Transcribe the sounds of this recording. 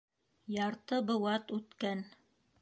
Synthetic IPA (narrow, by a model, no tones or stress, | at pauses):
jɑɾt̪ɤbɤ̆wɑt̪ʉt̪kæn